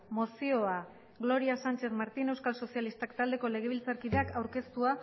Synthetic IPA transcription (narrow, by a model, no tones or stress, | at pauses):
mo̞sio̞a | ɣlo̞ɾiasant͡ʃe̞θmaɾt̪ine̞wskalso̞sialist̪akt̪ald̪e̞ko̞le̞ɣ̞e̞βilt͡saɾkiðe̞akawɾke̞st̪ua